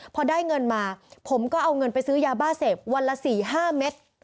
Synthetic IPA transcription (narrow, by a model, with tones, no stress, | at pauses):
pʰɔ˧daː˥˩jŋɤ˧nmaː˧pʰo˩˦mkɔː˥˩ʔa˧wŋɤ˧npa˧jsɯː˦˥jaː˧baː˥˩se˨˩p̚wa˧nla˧˥siː˨˩ɦaː˥˩me˦˥t̪̚